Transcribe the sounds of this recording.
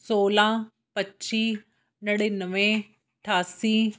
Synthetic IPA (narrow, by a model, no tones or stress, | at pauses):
soːlãː | pətːt͡ʃiː | nəɽenəʋẽ | ʈʰaːsiː